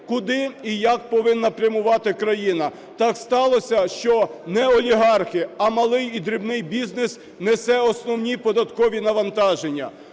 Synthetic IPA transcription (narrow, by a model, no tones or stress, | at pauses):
kʊd̪ɪijɐk̚pɔʋɪnːɐpɾʲɐmʊʋɑt̪ɪkɾɐjinɐ | t̪ɑkst̪ɑlˠɔsʲɐʃt͡ʃɔnɛɔlʲiɦɑrxɪɐmɐlˠɪjid̪ɾʲɪbnɪjbʲiznɪs | nesɛɔsnɔwnʲipɔd̪ɐt̪kɔʋʲinɐʋɐnt̪ɑʒenʲːɐ̰